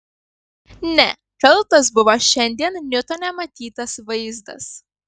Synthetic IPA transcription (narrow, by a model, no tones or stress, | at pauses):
nʲɛ | kɐlˠˑt̪ɐs̬bʊʋoʃʲɛnʲd̪ʲiɛnnʲʊt̪oːnʲɛmɐt̪ʲiːt̪ɐsʋɐɪzd̪ɐ̰s